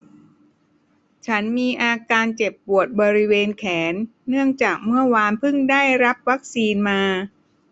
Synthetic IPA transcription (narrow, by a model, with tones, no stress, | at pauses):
t͡ɕʰa˦˥nmiː˧ʔaː˧kaː˧nt͡ɕe˨˩pːu˨˩ət̪̚bɔː˧ɾi˦˥weː˧nkʰɛː˩˦nːɯ˥˩əŋt͡ɕaː˨˩k̚mɯ˥˩ɐwaː˧npʰɯ˥˩ŋdaː˥˩jɾa˦˥p̚wa˦˥k̚siː˧nmaː˧